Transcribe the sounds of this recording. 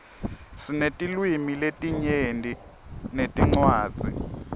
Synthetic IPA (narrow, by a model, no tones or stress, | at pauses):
sinetʼilwimiletʼiɲendʱʼinetʼiŋ͡ǀwaːd̥z̥ʱḭ